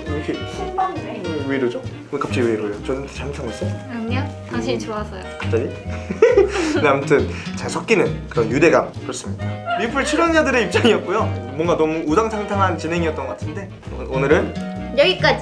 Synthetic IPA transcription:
iɾʌkʰeubaŋweiɾod͡ʑo | ɯekap̚t͡ɕ͈aiweɾoot͡ɕʌdɯntʰḁɕiamt͡ɕʰaŋas͈ʌaʌ | aɕʰit͡ɕoasʰʌjokap̚t͡ɕ͈aɾi | ndeamʰʌtʰɯnt͡ɕaɭsʰʌk͈̚inɯnkɯɾʌnjude̞ɡapoɭs͈ɯmɲidaɾipʰɯɭt͡ɕʰiɾʌnd͡ʑadɯɾe̞ip̚t͡ɕ͈aŋiʌt̚k͈ujomwʌŋɡanʌmuusaŋt͡ɕʰaŋtʰaŋɦant͡ɕinɦe̞ŋiʌt͈̚ŋɡʌatʰɯnde̞ | onɯɾɯn | jʌɡik͈ad͡ʑi

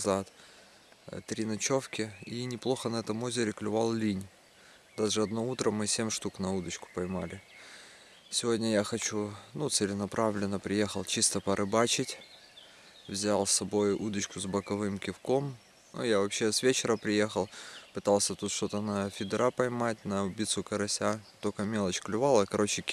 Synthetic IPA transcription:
zat̪ | t̪ɾʲinɐt͡ɕo̞fkʲɪinʲɪplˠo̞xənɐɛt̪əmo̞zʲɪɾʲɪklʲʊvalˠlʲinʲ | d̪aʐɨɐd̪nout̪ɾəmːɨsʲemʲʂt̪uknɐud̪ət͡ɕkʊ̥pɐjmalʲɪ | sʲɪvo̞dʲnʲəjaxɐt͡ɕunut̪sɨlʲɪnɐpɾʔavlʲɪnːəpɾʲɪje̞xəlˠt͡ɕist̪əpəɾʔɨbat͡ɕɪtʲ | vzʲalˠsːɐbo̞jud̪ət͡ɕkʊzbəkɐvɨmkʲɪfko̞m | nṵjavɐpɕːe̞svʲet͡ɕɪɾəpɾʲɪje̞xəlˠpɨt̪alˠsʲət̪ut̪ʂt̪o̞t̪ənəfʲɪd̪ɾapɐjmat̚ʲnəbʲit̪sʊkəɾɐsʲat̪okəmʲe̞lˠət͡ɕklʲʊvalˠəkɐɾo̞t͡ɕɪkʲ

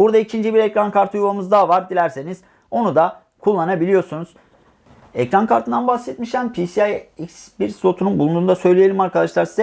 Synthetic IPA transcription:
buɾd̪aicʰind͡ʒibiɾɛcɾankʰaɾt̪ʰɯujvamɯzd̪avaɾd̪ilʲæɾse̞niz̥ | o̞nud̪a | kʰulˠːanabilʲijo̞ɾsunuz̥ | ɛcɾankʰaɾt̪ʰɯnd̪anbahsɛt̪miʃæmpʰisiajicsbiɾso̞t̪ʰununbulˠund̪uːnd̪asø̞jlʲije̞lʲimaɾkʰad̪aʃlˠaɾsizɛ

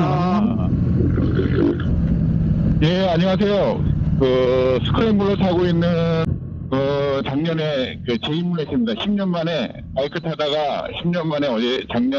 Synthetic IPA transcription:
a | je̞aɲiŋas̬ʰe̞jokɯsʰɯ̥kʰɯɾembɯɾosʰaɡoinːɯn | kɯt͡ɕaŋɲʌne̞kɯt͡ɕe̞imuɭɦes͈ɯmɲidaɕʰimɲʌnmane̞ | maikʰɯtʰadaɡaɕʰimɲʌnmane̞ʌd͡ʑe̞t͡ɕaŋɲʌ

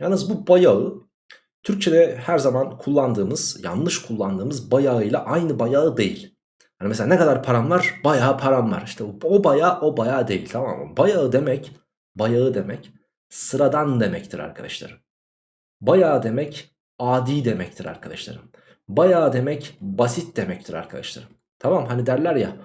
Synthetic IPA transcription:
jalnɯzbubajaɯ | t̪ʰyɾc̚t͡ʃʰed̪ɛhæɾzamankʰulˠːand̪ɯːmɯz̥ja̰nlˠɯʃkʰulˠːand̪ɯːmɯzbajaɯjlˠaʔajnɯbajaɯd̪e̞̰jḭlʲ | jaːnimeselaːnɛkʰad̪aɾpʰaɾanlˠaɾ̥b̥ajaːpʰaɾanlˠa̰ɾiʃt̪ʰɛobajaːʔo̞bajaːd̪e̞jilʲt̪ʰama̰ma̰bajaɯd̪e̞mɛc | bajaɯd̪e̞mɛc | sɯɾad̪and̪e̞mɛct̪ʰiɾa̰ɾkʰad̪a̰ʃlˠa̰ɾɯm | bajaːd̪e̞mɛc | aːd̪iːd̪e̞mɛc̚t̪ʰiɾa̰ɾkʰad̪a̰ʃlˠa̰ɾɯm | bajaːd̪e̞mɛcbasit̪̚d̪e̞mɛct̪ʰiɾa̰ɾkʰad̪a̰ʃlˠa̰ɾɯm | t̪ʰamamɦanid̪æɾlʲæɾja̰

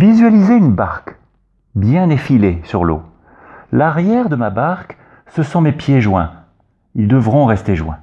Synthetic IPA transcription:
vizɥalizeynbaʁk | bjɛ̃nefilesyʁlo̰ | laʁjɛʁd̪əmabaʁk | səsɔ̃mepjeʒwɛ̰̃ | ild̪əvʁɔ̃ʁɛst̪eʒwɛ̰̃

